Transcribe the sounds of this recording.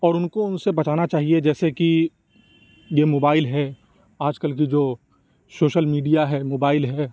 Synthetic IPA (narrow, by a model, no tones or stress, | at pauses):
ɔːɾʊnkoʊnsebɐt͡ʃaːnat͡ʃaːɦied͡ʒɛːseki | jemoːbaːɪlɦɛ | aːd͡ʒkəlkid͡ʒoː | soːʃəlmiːɖijaɦɛmoːbaːɪlɦɛː